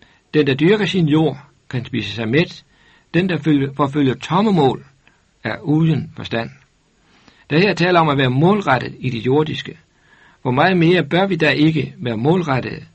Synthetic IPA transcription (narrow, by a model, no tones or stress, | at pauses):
d̥end̥æ̈d̥yɐɡ̥ɐsinjo̝̰ɐ̰ | kʰænsb̥ḭːsəsɑ̈ɪmed̥ | d̥end̥ɑfɒføl̰jɐt͡sʰɒ̽məmɔ̰̽ːl | æɐuːðˠənfɒ̽sd̥æn̰ | d̥æheɐt͡sʰɛ̰ːlɐɒ̽mæʋæːɐmɔ̽ːlʁaɾ̥əð̩ˠid̥ijo̝ɐd̥isɡ̥ə | ʋɒmɑ̈ːð̩ˠme̝ːɐb̥ɶɐʋid̥æʔe̝ɡ̥əʋæːɐmɔ̰̽ːlʁad̥əð̩ˠ